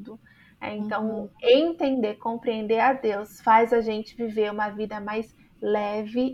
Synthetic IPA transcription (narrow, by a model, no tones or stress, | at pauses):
d̪ʊ | ɛ̰ẽnt̪ɐ̃w̃ẽt̪ẽnd̪eɾkõpɾiẽnd̪eɾad̪ewsfajzaʒẽnt͡ʃɪviveɾũmɐvid̪ɐmajs | lɛvɪ